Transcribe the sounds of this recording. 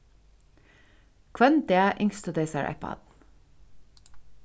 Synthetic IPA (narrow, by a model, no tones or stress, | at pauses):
kʰʋœnd̪eæʔɪŋst̪əd̪eɪsəɹʔɑ̰ɪpʰɑ̰d̪̥